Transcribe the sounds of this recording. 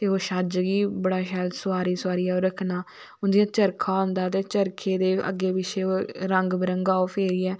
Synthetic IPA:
t̪eːoːʃəd͡ʒɡiːbəɽaːʃɛːlsʊaːɾiːsaːɾiːɛːoːɾəkʰnaː | ʊnd̪ijãːt͡ʃəɾkʰaːɦʊ̃nd̪aːt̪eːt͡ʃəɾkʰeːd̪eːʔə̰ɡːeːʋɪʃeːoːɾəŋɡbəɾəŋɡaːoːpʰeːɾiːɛː

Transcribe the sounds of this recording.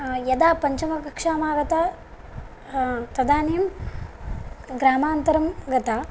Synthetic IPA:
jɐd̪aːpɐɲt͡ʃɐmɐkɐkʂaːmaːɡɐt̪aː | t̪ɐd̪aːnijm | ɡɾaːmaːnt̪ɐɾɐmɡɐt̪aː

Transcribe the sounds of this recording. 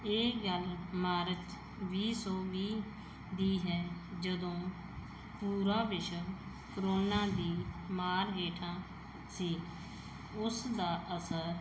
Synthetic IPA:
eːɡəlmaːɾət̪ | ʋiːsɔːʋiː | d̪iːɦɛːd͡ʒəd̪õː | puːɾaːʋɪʃəb | kɾoːnaːd̪iːmaːɾɦeːʈʰãː | siː | ʊsd̪aːʔəsəɾ

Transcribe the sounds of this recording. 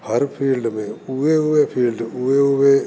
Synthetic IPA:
hɐɾfʰiːlɖɨmeːuʋeuːʋeːfʰiːlɖɨuːʋeuːʋeː

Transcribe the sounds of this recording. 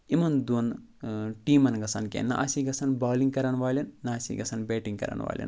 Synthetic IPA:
imɐnd̪un | ʈiːmɐnɡɐsɐnkḛnːɐ̰ʔɐsiɡɐsɐnbaːliŋɡkɐɾɐnʋaːlʲɐnːɐːsḭɡɐsɐnbeːʈĩŋɡkɐ̰ɾɐ̰nʋa̰ːljɐ̰n

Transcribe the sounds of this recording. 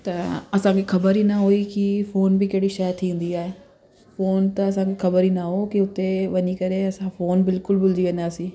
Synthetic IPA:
t̪ɐɐsãkixɐbəɾiːnɐɦoikifoːnbɪkɐɦɪɽiʃajt̪ʰĩːnd̪iaːɦe | foːnt̪ɐɐs̬ãːkixɐbəɾiːnaɦokiʊt̪eʋɐɲikɐɾeɐsãfoːnbɪlkʊlbʊld̪iʋɐ̃nd̪aːsĩː

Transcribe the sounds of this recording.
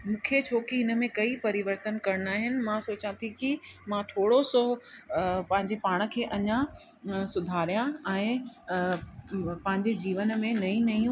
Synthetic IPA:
mũːkʰet͡ɕʰoːkiɦɪnə̆mẽkɐipɐɾɪʋəɾt̪ənkɐɾnaːɦɪnɪ̆mãsoːt͡ɕãt̪ʰikimãʈʰoːɽoso | pɐ̃ɦɪ̃ɲd͡ʑepaːɽ̃ə̆kʰeːʔɐɲã | sʊd̪ʱaːɾijãɛ̃ː | pɐ̃ɦɪ̃ɲd͡ʑed͡ʑiːʋən̆mẽnɐĩnɐiũ

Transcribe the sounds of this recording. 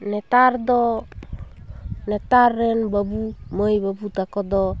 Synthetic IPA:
net̪ardo | net̪arːɛnbabumojbabut̪akɔdɔ

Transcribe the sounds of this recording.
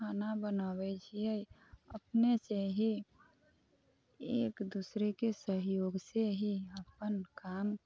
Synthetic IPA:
kʰanabənaːwɛt͡ʃʰiəəpneseɦi | eːkd̪usɾekesəɦjoːɡseɦiəpənkaːm

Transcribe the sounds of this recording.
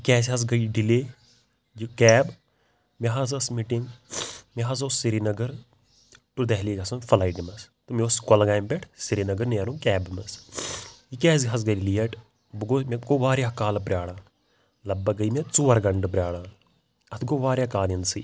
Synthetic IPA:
ikɛːs̬iɦɐs̬ɡɐiɖileː | d͡ʒikɛːb | meɦɐz̬ɐsmiʈiŋɡmeɦɐzosːiɾinɐɡɐɾ | ʈud̪ɐɦliːɡɐsɐnfɐlaːiʈimɐst̪ɐmeoskɐlɡaːjmbɛʈʰsiɾinɐɡɐɾneːɾũːkɛːbmɐs | ikɛːs̬iɦɐs̬ɡɐlilijɐʈ | bɡomeɡoʋaːɾjakaːlp̬ɾʲjaːɽaː | lɐbːɐɡɐimet͡suːɐɾɡɐɳɖpɾʲjaːɽaː | ɐt̪ʰɡoːʋaːɾjakaːljɐnsḭː

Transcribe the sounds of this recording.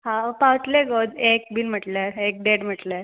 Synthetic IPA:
ɦãpawt̪leɡod̪ek̚biːnm̤əʈlaek̚ɖeɽm̤əʈla

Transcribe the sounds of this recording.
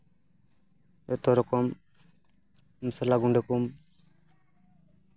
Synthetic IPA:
et̪ɔɾɔkɔm | msalaɡuɳɖekum

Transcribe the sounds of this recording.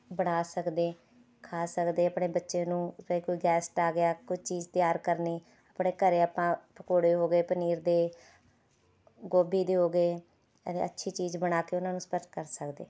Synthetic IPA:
bəɽ̃aːsəkd̪eː | kʰaːsəkd̪eːəpɳeːbətːʃeːnũːəiːkoːiːɡɛːsʈaːɡɪjaːkʊd͡ʒt͡ʃiːd͡ʒt̪ɪjaːɾkəɾniː | apɳeːkəɾeːəpãːpəkoːɽeːɦoːɡeːpəniːɾd̪eː | ɡoːbiːd̪eːɦoːɡeː | ət̪ḛə̰tːʃʰiːt͡ʃiːd͡ʒbəɽ̃aːkeːʊnãːnũːspəɾʈ̪kəɾsəkd̪ḛː

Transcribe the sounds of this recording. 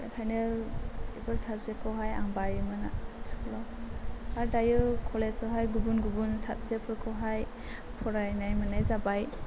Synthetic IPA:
akʰajnɯ | ebɯɾsap̚zekʰɯwɦaja̰ŋbaɾimɯnasklawaɾdajɯkʰɔlesawɦajɡubunɡubunsap̚zepʰɯɾkʰɔwɦaj | pʰɔɾajnajmɯnajzabaj

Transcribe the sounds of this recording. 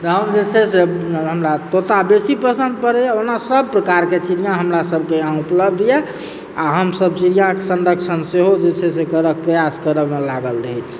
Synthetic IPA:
t̪ɔɦəmd͡ʒet͡ʃʰɛseɦəmɾat̪ot̪abesipəsə̃nd̪̚pəɾɛonasəb̚pɾəkaɾket͡ʃiɾijãɦəmɾasəbʱkeãupləb̚ʱd̪ʱjɛ | a̰ɦəmsəb̚siɾijãkesənɖəkʃʰənseɦod͡ʒet͡ʃʰɛsekəɾək̚pɾəjaskəɾəmelaɡəlɾəɦɛt͡ʃʰ

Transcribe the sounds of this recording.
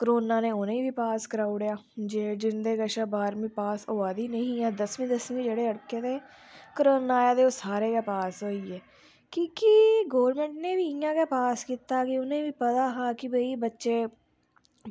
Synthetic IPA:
kəɾoːnaːnẽːʊnẽːʋiːpaːskəɾaːuɽjaːd͡ʒeːd͡ʒɪnd̪eːɡəʃaːbaːɾmĩːpaːsɦoːaːd̪iːnəɦĩːaːd̪əsmĩːd̪əsmĩːd͡ʒeːɽeːəɽkeːt̪eː | kəɾoːnaːjaːd̪eːoːsaːɾeːkeːpaːsɦoːiːɛː | kikiɡoːʋɾmẽːɳʈnẽːʋiːɪjãːkeːpaːskiːt̪aːkɪʊnẽːʋiːpət̪aːɦaːkɪbəiːbətːʃeː

